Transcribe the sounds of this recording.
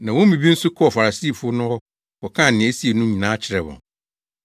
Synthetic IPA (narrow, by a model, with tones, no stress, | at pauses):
nã˨wɔ̃˦mĩ˨bi˦n̩˦sʊ˦kʰɔ˦ɔ˨fa˨ɾa˨si˦˨fʊ˦ɔ˦nʊ̃˦wɔ˦ | kɔ˨kʰã˦˨nɪ̃˨æ˦si˦e˨nʊ̃˦ɲĩ˨nãː˦t͡ɕʰɪ˨ɾɛ˨wɔ̰̃˨n